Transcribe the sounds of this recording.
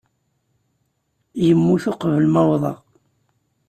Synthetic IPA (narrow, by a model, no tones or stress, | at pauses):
jəmːuθʊqvəlmɑwðˤɑ